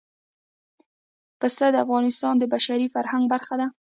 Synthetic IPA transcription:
pəst̪ad̪əafɣɑnɪst̪ɑnd̪əbaʃaɾifaɾhaŋɡ̚baɾxad̪a

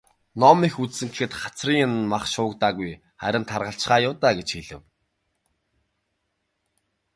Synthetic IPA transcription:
nɔmixut͡ssɘ̆ŋkexɘ̆t̪χḁt͡sriːŋnmaχʃʊːkt̪aːɣuj | χæ̰ɾʲɪ̆nt̪ʰarʁə̆ɬt͡ɕχaːjʊwt̪aːɡet͡ɕxeɮɘ̆w

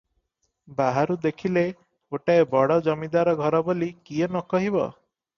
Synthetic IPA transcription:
baɦaɾud̪ekʰile | oʈaebɔɽɔd͡ʒɔmid̪aɾɔɡʱɔɾɔbolikienɔkɔɦibɔ̰

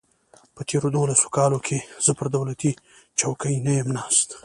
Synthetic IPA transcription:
pət̪ʰeɾod̪olaso̥kɑlokʰez̥əpəɾd̪awlat̪i | t͡ʃawkəjnəjəmnɑst̪

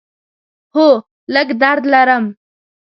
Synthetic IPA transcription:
ho | ləɡd̪aɾd̪lɐɾɐm

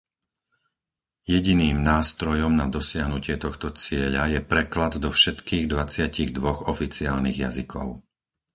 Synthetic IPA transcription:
jɛɟiniːmnaːst̪ɾɔjɔmnad̪ɔsɪaɦnucɪɛt̪ɔxt̪ɔt͡sɪɛʎajɛpɾɛklad̪d̪ɔfʃɛt̪kiːɣd̪ʋat͡sɪaciɣd̪ʋɔɣɔfit͡siaːlniɣjazikʰɔ̰ʊ

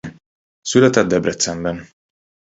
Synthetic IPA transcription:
sylɛt̪ɛt̪̚d̪ɛbɾɛt̪sɛmbɛn

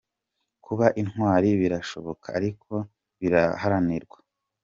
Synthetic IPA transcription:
kʰuβaʔinhwaːɾiβiɾaʃo̞βo̞kʰa̰ːɾikʰo̞ | βiɾahaɾaniɾɡwḁ

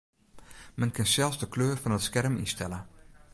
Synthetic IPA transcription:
mɛnkʰɪnsɛlˠfsdəkʰløːrfɔnətskɛrmḭstɛlə

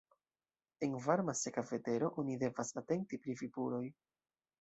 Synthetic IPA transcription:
e̞nvaɾmase̞kave̞te̞ɾo̞ʔo̞nide̞vasate̞n̚tipɾivibuɾo̞j

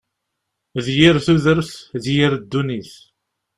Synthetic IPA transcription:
ðjiɾθuðəɾθðjiɾd̪ːuniθ

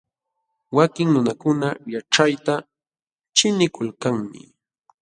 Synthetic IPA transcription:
wakɪŋnʊnakʊnajaʈ͡ʂajt̪a | t͡ʃɪnɪkʊlkaŋmɪ̰

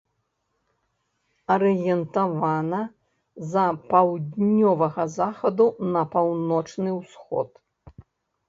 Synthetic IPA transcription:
ɐɾɨjɛnt̪avanɐ | zɐpawd̪ʲnʲɔvɐɣɐzaxɐd̪unɐpawnɔt͡ʂnɨwsxɔ̰t̪

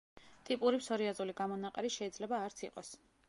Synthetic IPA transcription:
t̪ʼipʼuɾipsɔɾiazuliɡamɔnaqʼɛɾiʃɛid̪zlɛbaːɾt̪sʰiqʼɔs

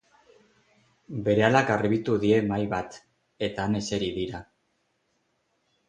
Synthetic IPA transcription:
be̞ɾe̞alakarβit̪uðie̞majβat̪ | e̞t̪aːne̞se̞ɾiðiɾa

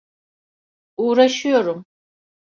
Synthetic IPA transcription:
uːɾaʃujo̞ɾum

